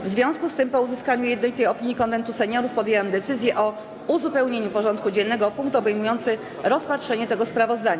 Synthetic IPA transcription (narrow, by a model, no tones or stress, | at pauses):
vzvʲjɔ̃w̃skust̪ɘmpɔuzɘskaɲujɛd̪nɔlit̪ɛjɔpʲiɲjikɔnvɛnt̪usɛɲɔɾufpɔd̪ʲjewɛmd̪ɛt̪sɘzʲjɛʔɔ | uzupɛwɲeɲupɔʐɔ̃nt̪̚kud͡ʑɛnːɛɡɔpuŋk̚t̪ɔbɛjmujɔnt̪sɘ | ɾɔspatʂɛɲɛt̪ɛɡɔspɾavɔzd̪aɲa